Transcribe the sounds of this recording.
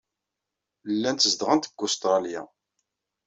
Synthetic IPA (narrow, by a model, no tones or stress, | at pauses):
lːænt̪əzd̪ʁənt̪ə̥kːʊst̪ɾˤɑlja̰